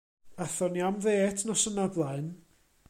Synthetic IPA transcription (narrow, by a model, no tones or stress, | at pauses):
aθɔniamðeːtʰnɔsənablˠaɨn